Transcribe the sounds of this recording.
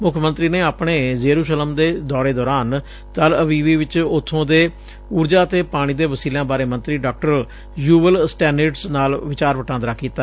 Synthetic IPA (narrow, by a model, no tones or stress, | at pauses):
mʊkʰːmə̃nt̪ɾiːneːaːpɳeːzeːɾuːʃələmd̪eːd̪ɔːɾeːd̪ɔːɾaːn | t̪ələʋiːʋiːʋɪt͡ʃʊt̪ʰːõːd̪eː | uːɾd͡ʒaːt̪eːpaːɽ̃iːd̪eːʋəsiːlãːbaːɾeːmənt̪ɾiːɖaːk̚ʈəɾ | juːʋəlsʈɛːnəɖsnaːlʋɪt͡ʃaːɾʋəʈãːnd̪ɾaːkiːt̪aː